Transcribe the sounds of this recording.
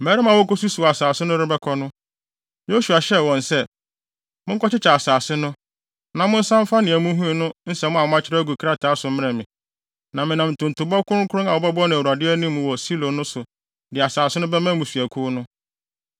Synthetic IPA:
mɛː˨˦ɾɪ˦mã˨wɔ˦ko˦su˦su˨a˨a˨saː˨sɪ˦nʊ̃˦ɾɪ˦bɛ˦kʰɔ˦nʊ̃˦ | jo˦su˨a˨ɕɛ˦˨wɔ̃˨nsɛ˦ | mʊ̃˦ŋ˦kɔ˦t͡ɕɪ˦t͡ɕʰa˨a˨saː˨sɪ˦nʊ̃˦ | nã˨mʊ̃˦n̩˦sã˦m˦fa˦nɪ̃˨æ˨mũ˦ɦũ˦i˦nʊ̃˦n̩˦sɛ˨mʊ̃˦a˨ʊ̃˦a˦t͡ɕʰɪ˦ɾa˦ɡu˨kʰɾa˦tʰa˨˦sʊ˨˦mɪ̃˦nɛ̃˨mɪ̃˨ | nã˨mɪ̃˨nã˨m̩˨tʊ̃˨n̩˨tʰʊ˨bɔ˦kʰʊ̃˦ɾkʰʊ˦ɾʊ̃˦a˨wɔ˨˦bɛ˦bɔ˦nʊ̃˨u˨ɾa˨dɪ˦æ˦nĩ˦m̃ː˨wɔ˨si˦lõ˨nʊ̃˦sʊ˨ | dɪ˨a˨saː˨sɪ˦nʊ̃˦bɛ˦mã˦mũ˨fi˨æ˨kʰu˦nʊ̃˦

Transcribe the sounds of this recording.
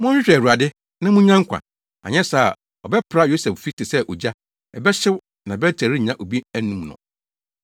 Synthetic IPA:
mʊ̃˦ɪ˦ɕᶣɛ˨u˨a˨dɪ˦ | nã˦mũ˦ɲã˦ŋ˦kʰʷã̰˨n | a̰˨ɲɛ̃˦sa˦˨ | ɔ˨bɛ˦pʰɾa˦jo˦sɛ˨ffi˦tʰɪ˨sɛ˦ʔo˨d͡ʑa˦ | ɛ˨bɛ˦ɕɪ˦w | nã˨bɛ˦tʰæ˨ɾi˦˨ɲã˦ʔo˨bi˦æ˦nũ˦mnʊ̰̃˨

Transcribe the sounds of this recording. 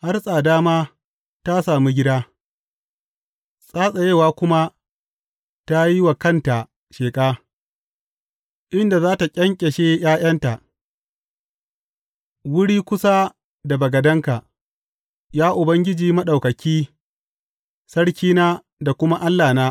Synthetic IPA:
ha˦rsʼaː˨daː˦maː˦ | ta˦saː˨mu˦ɡʲɪ˦daː˦ | sʼaː˦sʼa˨je˦˨waː˦kʷʊ˦ma˦ | ta˦ji˦wa˨kɐ˦˨nta˨ | ʃeː˨kʼaː˦ | ʔɪ˦nda˨zaː˦ta˨kʲʼɐ˦ŋkʲʼɛ˨ʃeː˦jaː˦jɐ˦nta˨ʔ | wʊ˦ɽiː˦kʷʊ˦sa˦ | da˨bɐ˨ɡɐ˨dɐ˦ŋka˨ | jaː˦ʔʊ˨bɐ˦ŋɡʲɪ˦d͡ʒiː˨mɐ˦ɗa˨wkɐ˨kʲiː˦ | sɐ˦ɽkʲiː˦naː˦ | da˨kʷʊ˦ma˦ʔa˦lːaː˨naː˦

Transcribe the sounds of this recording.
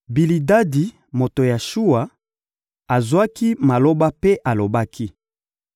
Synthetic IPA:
bi˨li˨da˦di˨ | mo˨to˨ja˨ʃu˦a˨ | a˨zwa˦ki˦ma˨lo˦ba˦pe˦ʔa˨lo˨ba˦kʰi˦

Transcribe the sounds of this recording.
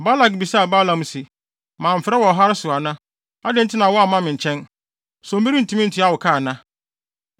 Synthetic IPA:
ba˦la˨k̚bi˨sa˦a˨ba˦lã˨m˦si˨ | mãː˨m̩˨fɪ˨ɾɛ˦wɔ˨ɦa˦ɾɪ˦sʊ˨a˨nã˦ | a˦dɪ̃˨˦n̩˦tʰɪ˦nã˨wɔ˦a˨mã˦mɪ̃˨ɲ̩˨t͡ɕʰɛ̃˦n | sɔ̃˨m̩˦bi˦ɾi˦n̩˨tʰũ˦mɪ̃˦n̩˦tʰɪ˨˦a˦˨wʊ˨kʰa˦˨nã˦

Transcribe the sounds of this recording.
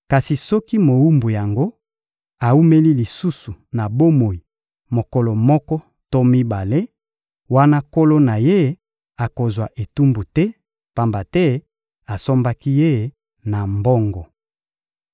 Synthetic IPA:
ka˨si˨sɔ˦ki˦mo˨u˦mbu˨ja˨ŋɡo˦ | a˨u˦me˦li˦li˨su˦su˨na˨bo˦mo˨i˨ | mo˨kɔ˨lɔ˨mɔ˦kɔ˦ | to˦mi˦ba˨le˦ | wa˦na˦ko˦lo˦na˨je˦ | a˨ko˨zwa˨ʔe˨tu˦mbu˨tɛ˦ | pa˨mba˨tɛ˦ | a˨so˦mba˦ki˦je˦ | na˨mbɔ˦ŋɡɔ˨

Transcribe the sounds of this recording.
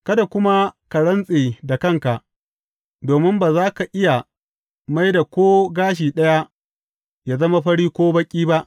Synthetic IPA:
kɐ˦da˨kʷʊ˦ma˦ka˨ɽɐ˦nsʼeː˨da˨kɐ˦˨ŋka˨ʔ | doː˨mɪ˦mbaː˨zaː˦ka˨ʔɪ˦ja˨ | ma˦jda˨kʷoː˦ɡaː˦ʃ̬iː˨ɗɐ˦ja˦ | jaː˨zɐ˦ma˦ɸɐ˦ɽiː˦kʷoː˦bɐ˦kʲʼiː˦ba˦ʔ

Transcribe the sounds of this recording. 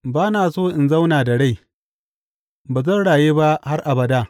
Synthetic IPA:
baː˦naː˨soː˦ʔɪ˨nza˦wnaː˨da˨ɽa˦˨j | baː˨zɐ˦nɽaː˨jeː˦ba˦ha˦rʔa˨bɐ˨da˦˨

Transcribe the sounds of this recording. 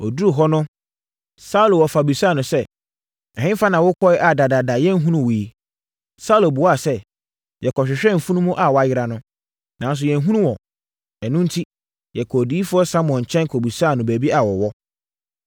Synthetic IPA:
ɔ˨du˦ɾu˨ɦɔ˦nʊ̃˦ | sa˦u˦lo˨wɔ˨fa˨bi˨sa˦˨nʊ̃˨sɛ˦ | ɛ˨hɪ̃˦fa˦nã˨wʊ˦kʰɔ˦ɪ˦ʔa˨da˨da˨da˨jɛ˦n̩˦ɦũ˦nũ˦wi˨ | sa˦u˦˨lo˨bu˨wa˦˨sɛ˦ | jɛ˨kʰɔ˨ɕᶣɪ˨ɕᶣɛ̃˦m̩˨fũ˦nũ˦mũ˦ʔa˨wɔ˦a˦˨jɪ˦ɾa˨nʊ̃˦ | nã˨˦n˦s̬ʊ˨jɛ˨n̩˦ɦũ˦nũ˦wɔ̃˨ | ɛ˨nʊ̃˦n̩˦tʰi˦ | jɛ˨kʰɔ˨diː˦fʊ˦ɔ˦sa˦m˨ɔ̃˨ɲ̩˨t͡ɕʰɛ̃˦n˦kʰɔ˨bi˨saː˦˨nʊ̃˨bæ˨bi˦ʔa˨wɔ˨wɔ˦

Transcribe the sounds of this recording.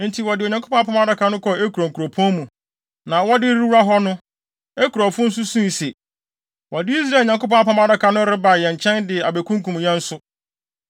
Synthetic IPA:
n̩˦tʰi˨wɔ˨dɪ˨o˨ɲã˨ŋkʰo˦pɔ̃˦a˦pʰã˦m˦a˦da˦kʰa˨nʊ̃˦kʰɔ˨e˦kʰu˨ɾo˨ŋ̩˨kʰu˨ɾo˨pʰɔ̃˦mũ˨ | nã˨wɔ˦dɪ˦ɾi˦wu˦ɾa˦ɦɔ˦nʊ̃˦ | e˦kʰu˨ɾɔ˨fʊ̃˦n̩˦sʊ˦sũ˦i˨se˨ | wɔ˨dɪ˦i˦s̬ɾa˦˨ɲã˨ŋko˦pɔ̃˦a˦pã˦ma˦da˦kʰa˨nʊ̃˦ɾɪ˦ba˨jɛ̃˨ɲ˨t͡ɕʰɛ̃˦ndɪ˨a˨be˨kʰũ˦ŋ˦kũ˨m˨jɛ̃˦n̩˦sʊ˦

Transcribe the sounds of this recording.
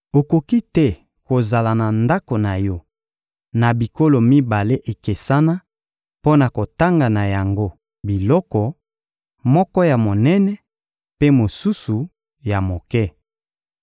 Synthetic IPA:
o˨ko˨ki˦tɛ˦ | ko˨za˨la˨na˨nda˦ko˨na˨jɔ˦ | na˨bi˨ko˦lo˨mi˦ba˨le˦ʔe˨ke˨sa˦na˦ | po˦na˨ko˨ta˦ŋɡa˨na˨ja˨ŋɡo˦ | bi˨lɔ˦kɔ˨ | mɔ˦kɔ˦ja˨mo˨nɛ˦nɛ˦ | pe˦mo˨su˦su˨ | ja˨mo˨kɛ˦

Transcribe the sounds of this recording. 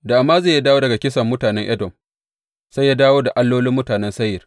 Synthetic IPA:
da˨ʔa˨mːaː˦ze˦˨ja˦daː˦woː˦dɐ˨ɡa˨kʲɪ˦sɐ˨mːʊ˦taː˨nɛ˦ŋʔɛ˦dɔ˨m | sa˦jaː˦daː˦woː˦da˨ʔa˦lːoː˦lɪ˦mːʊ˦taː˨nɛ˦nsɐ˦jɪ˨r

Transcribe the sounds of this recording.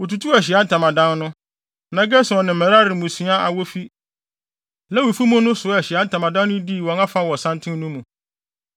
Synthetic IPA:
wo˨tu˨tʰu˦ɛ˨ɕ̬i˨a˦n̩˦tʰã˨mã˨dã˦nnʊ̃˦ | nã˨ɡɛ˦sɛ˨ɔ˨nɪ̃˨m̩˨æ˨ɾa˦ɾɪ˨mũ˨su˨˦a˦ʔa̰˨wɔ˦fi˦ | lɛ˦wo˨fu˦mʊ̃˦nʊ̃˦sʊ˨˦ɛ˨ɕɪ˨a˦n̩˦tʰã˨mã˨dã˦nː˦ʊ̃˦di˦˨wɔ̃˨ŋã˦fa˦wɔ˨sã˦ntʰɪ̃˦nũ˦mũ˨

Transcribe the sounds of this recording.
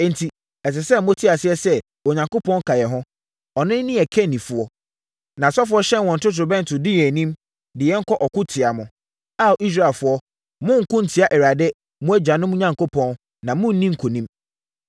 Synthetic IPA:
ɛ˨n̩˨tʰi˨ | ɛ˨s̬ɛ˨sɛ˦˨mõ˦tʰi˦a˨sɪ˦ɛ˦sɛ˦ | o˨ɲã˨ŋkʊ˦pʰɔ̃˦n˦kʰa˨jɛ˨ɦʊ̃˦ | ɔ˨nɪ̃˦n˦nĩ˦ɛ˨kʰɛ˦nĩ˨fʊ˨ɔ˦ | nã˨sɔ˦fʊ˦ɔ˦ɕɛ̃˦nwɔ̃˨n̩˨tʊ˦t̬ɾʊ˨bɛ̃˦n̩˨tʰʊ˨dɪ˦jɛ˨nĩ˦m | dɪ˨jɛ˦ŋ̩˦kʰɔ˦ʔɔ˨kʰʊ˦tʰɪ˨a˨mʊ̃˨ | a˦˨ʔi˦s̬ɾa˦˨e˨lfʊ˨˦ɔ˦ | mʊ̃˦ŋ̩˨kʊ̃˦n̩˨tʰi˨a˦ʔɛ˨ɾa˨dɛ˦ | mʊ̃˦æ˦d͡ʑᶣa˨nʊ̃˦mʊ̃˦ɲã˨ŋko˦pʰɔ̃˦n | nã˨mʊ̃˦n̩˦nĩ˦ŋ̩˨kʰo˨nĩ˦m

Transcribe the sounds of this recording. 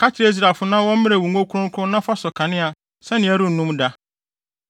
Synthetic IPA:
kʰa˦t͡ɕʰɪ˦ɾe˦i˦s̬ɾa˨fʊ˦nã˦wɔ̃˦mɪ̃˦ɾɛ˨wu˨ŋo˦kʰu˦ɾʊ̃˦ŋ̩˦kʰʊ˦ʊ̃˦nã˦fa˦sɔ˨kʰã˨nɪ̃˦a˨ | sɛ̃˦nɪ̃˨æ˦ɾʊ̃˦n̩˨nũ˦mda˦

